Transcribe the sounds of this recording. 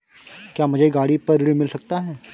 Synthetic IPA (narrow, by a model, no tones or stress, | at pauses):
kjaːmɐd͡ʒaiɡaːɽipɐɾɽimɪlsɐk̚t̪aɦɛː